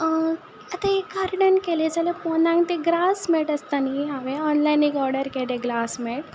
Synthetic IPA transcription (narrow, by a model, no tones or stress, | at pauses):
ət̪ekaɾɖənkeled͡zalepɔnãŋɡt̪eɡɾasmeʈəst̪aniɦaʋeɔnlajniɡɔɾɖəɾkeleɡɾasmeʈ